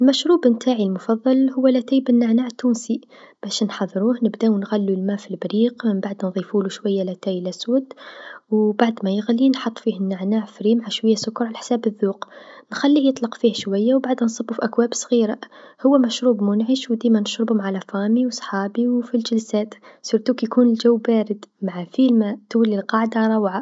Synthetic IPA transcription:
ʔɪlmæʃɾuːbɪnt̪ʰaːʕilmʊfɑðˤːɑlhʊwːælæt̪æːjbɪnːaʕnaʕt̪ːuːnsi | b̥æʃnħɑðˤːɾuːhnɪbd̪awnɣælːulmaːfilbɾiːqmɪmbaʕd̪nðˤiːfuːluʃwajːalæt̪æːjlʔæswæd̪wbaʕd̪mæjɪɣlinħɑt̪ˤːfiːhɪnːaʕnaːʕfɾiːmʕaʃwajːasʊkːɾˤʕalaħsæːbɪðːuːqnxælːijət̪ˤlɑqfiːhʃwajːawbaʕd̪ansˤɨbːufiʔakwaːbsˤɣiːɾahʊwːæmæʃɾuːbmʊnʕəʃwd̪iːmanɪʃɾɪbhʊmʕalafɑːmiwsˤħɑːbiwfilʒɪlsæːt̪siɾt̪uːkjkuːnɪld͡ʒawːbæːɾɪd̪maʕafiːlmat̪walːilqɑʕd̪aɾˤɑwʕa

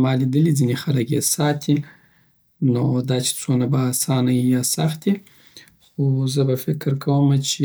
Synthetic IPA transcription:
mɑlid̪əlid͡zinexalakjḛsɑt̪ʰi | nod̪ɑt͡ʃe̥t͡sonabaːsɑnajjɑsaxt̪̚i | xozəbafɪkɾkʰawəmat͡ʃe

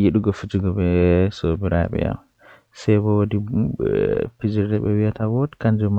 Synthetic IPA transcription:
jiɗuɡofid͡ʒiɡɔbɛsobiɾa̰ɓɛ̰ja̰m | sɛjbɔwodi | pid͡ʒiɾdɛɓɛwiatawodi̥kand͡ʒɔm

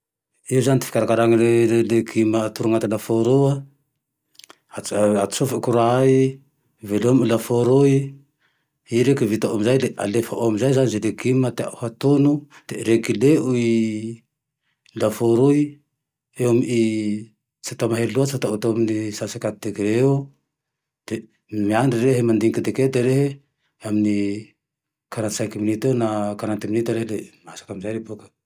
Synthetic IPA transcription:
izanit̪ifi̥kʲaɾakaɾaŋalelelekʰimat̪uɾuŋat̪alafoɾua | aat̪u̥sufikuɾai | veloamilafoɾui | iɾekivit̪aamizajleʔa̰lefaʔoamizajzanizelekimət̪ehat̪unud̪̥eɾekileui | lafuɾuj | eomii | t͡sat̪amaɦeɾluat͡sat̪aut̪oaminisasakat̪̚d̪ekiɾeu | d̪̥e | mianɖ͡ʐiɾeɦemand̪iŋkid̪eked̪eɾeɦe | amini | kaɾansajkiminit̪ewnakaɾant̪iminit̪aɾehlemasḁkamizajɾebukḁ

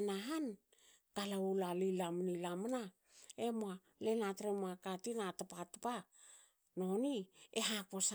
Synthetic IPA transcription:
naɦan | kalaulalilamnilamana | emoa | lenatɾemoakatinatapatapa | no̞nieɦaposa

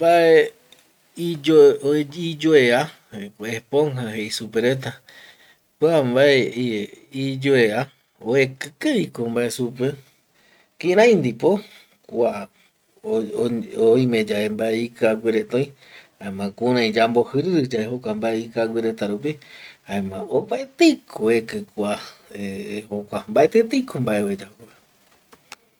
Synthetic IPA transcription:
mbae | ioid͡ʒoea | epõŋhaɦeisupeɾet̪̬a | kwambae | id͡ʒoea | oekɨkɨɾikombaʔe̞supe | kĩɾãj̃nd̪ipo̞ | kʷa | oĩmẽd͡ʒaembaeikaɡwiɾet̪õj̃ | haẽmãkuɾ̃ãĩd͡ʒambohɨɾɨɾɨd͡ʒaehokʷambaeikawʷiɾet̪aɾup̬ihaemãopaet̪ekʰoekɨkʷaehokʷambaʔet̪et̪ikʰombaeoed͡ʒake

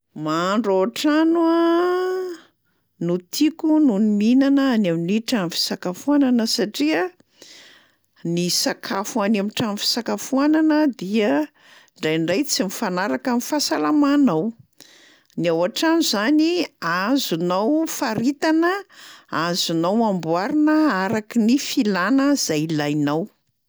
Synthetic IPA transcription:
maɳɖ͡ʐawaʈ͡ʂanua | nut̪ʰikununiminanəanaminiʈ͡ʂanfi̥sakafuananəsaʈ͡ʂiə | nisakʰafuanamiʈ͡ʂanfi̥sakafuananəd̪iə | ɳɖ͡ʐajɳɖ͡ʐajt͡simifanaɾakamifasalamanaw | niawaʈ͡ʂanuzaniazunawfaɾit̪anəazunawambuaɾinəaɾakinifilanəz̥ajilajnaw

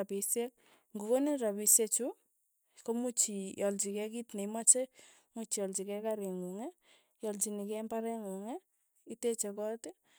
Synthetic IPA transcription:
apisɛk̚ | ŋɡukoneɾapiset͡ʃu | komut͡ʃijɔlt͡ʃikɛkitneimat͡ʃe | mut͡ʃijɔlt͡ʃikɛkaɾɪŋuŋɛ | jɔlt͡ʃinikɛmbaɾɛŋuŋɛ | itet͡ʃɛkɔtɪ

